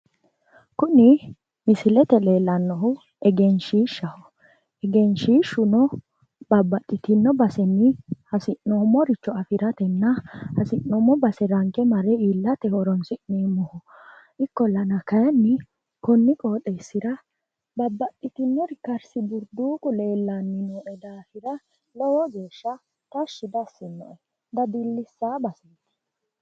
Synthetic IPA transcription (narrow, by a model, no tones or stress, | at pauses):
kʊnɪ | mɪsɪlɛt̪ɛle̞ːlːɐnːɔhʊ | ɛɡɛnʃiːʃːɐhɔ | ɛɡɛnʃiːʃːʊnɔ | b̥ɐbːɐt̪ʼːɪt̪ɪnːɔbɐsɛnːɪhɐsɪʔoːmːɔɾɪt͡ʃːɔɐfɪɾɐt̪ɛnːɐhɐsɪnːoːmːɔbɐsɛɾɐŋkʼɛmɐɾɛiːlːɐt̪ɛhɔɾɔnsɪʔneːmɔhɔ | ʔɪkːɔlɐnɐkɐjɛnːɪ | kɔnːɪkʼoːt̪ʼɛsːɪɾɐ | bɐbːɐt̪ʼːɪt̪ɪnːɔɾɪkɐɾsɪbʊɾd̪uːkʼʊle̞ːlːanːɪnɔːʔɛd̪aːfɪɾɐ | lɔwɔɡeːʃːɐ | t̪ɐʃːɪd̪ɐsːɪnːɔ̰ʔɛ | d̪ɐd̪ɪlːɪsːaːbɐsɛt̪ːɛ̥